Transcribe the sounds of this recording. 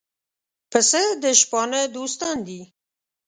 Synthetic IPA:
pəsəd̪əʃpɑnəd̪ost̪ɑnd̪i

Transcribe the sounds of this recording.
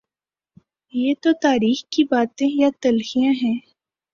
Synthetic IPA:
jeːt̪ot̪aːɾiːxkibaːt̪ẽjat̪ɐlhijãɦɛ̃ː

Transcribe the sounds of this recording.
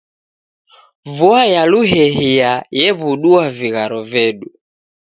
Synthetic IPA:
vuajaluɦɛɦiajɛβuɗuaviɣaɾɔvɛɗu

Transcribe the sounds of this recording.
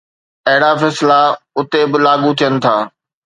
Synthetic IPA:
ɐɦɪɽafɛːslaʊt̪ebɪlaːɡut̪ʰijənɪ̆t̪ʰaː

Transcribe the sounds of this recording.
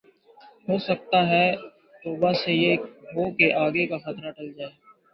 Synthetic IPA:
ɦoːsɐk̚t̪aɦɛ | t̪oːbasejeɦoːkeʔaːɡekaxɐt̪ɾaʈɐld͡ʒaːeː

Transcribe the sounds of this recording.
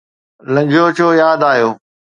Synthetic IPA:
lɐ̃ɲd͡ʑʱot͡ɕʰoːjaːd̪aːijoː

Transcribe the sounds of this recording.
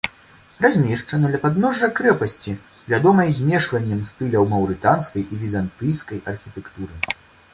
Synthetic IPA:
razʲmʲɛʂt͡ʂɐnɐd̪lʲɐpad̪nɔʐːɐkɾɛpɐsʲt͡sʲi | vʲad̪ɔmɐjzʲmʲɛʂvɐnʲːɐmst̪ɨlʲɐwmɐwɾɨt̪anskɐjivʲizant̪ɨjskɐjɐrxʲit̪ɛkt̪uɾɨ

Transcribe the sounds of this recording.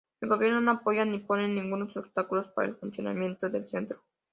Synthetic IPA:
elɡovernonapojaniponenːiŋɡunosobst̪akulospaɾḛlfunt̪siona̰mjent̪d̪elt͡ʃent̪ɾu̥

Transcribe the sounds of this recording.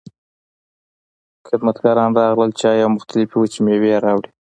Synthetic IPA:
xɪd̪mat̪ɡɑɾɑnɾɑɣləlt͡ʃɑjawmʊxt̪alɪfiwət͡ʃimeweaɾɑwɽi

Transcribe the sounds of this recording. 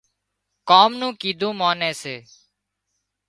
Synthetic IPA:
kaːmnũːkiːd̪ʱũːmaːnẽːseː

